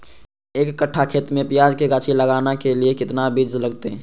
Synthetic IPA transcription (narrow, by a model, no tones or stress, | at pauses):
eːkːəʈʰːakʰeːt̪mẽpɪjaːd͡ʒkeɡaːt͡ʃʰiləɡaːnakeliekɪt̪nabid͡ʒləɡt̪eɦɛ̃